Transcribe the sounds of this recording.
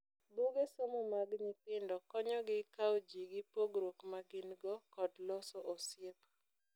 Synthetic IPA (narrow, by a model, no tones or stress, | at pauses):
boɡesomɔmaɡɲipɪndɔkɔɲɔɡɪkaod͡ʒiɡɪpoɡɾokmaɡɪnɡɔkɔdlɔsɔʔɔsjep